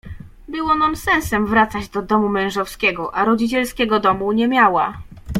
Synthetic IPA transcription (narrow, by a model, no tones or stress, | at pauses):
bɘwɔnamsɛ̃ñsɛmvɾat̪sad͡ʑd̪ɔd̪ɔmumɛ̃w̃ʐɔfskʲɛɡɔʔaɾɔd͡ʑit͡ɕɛlskʲɛɡɔd̪ɔmuɲɛmʲjawa